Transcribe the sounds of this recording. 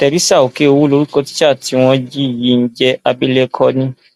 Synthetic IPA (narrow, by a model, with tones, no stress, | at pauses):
tɛ˨ɾi˦sa˦˨o˨ke˦o˧wu˦lo˧ɾu˦ko˧ti̥˦t͡ʃa˦˨ti˨˧˦w̃ɔ̃˧d͡ʒi˦i˦˨ji˨˦n̩˦d͡ʒɛ˧˦a˧bi˦le˦kʰɔ˦nĩ˦